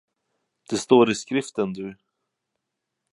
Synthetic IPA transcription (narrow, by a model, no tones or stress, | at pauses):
d̪̥ɛst̪oːɾɪskɾɪft̪ənd̪ɵ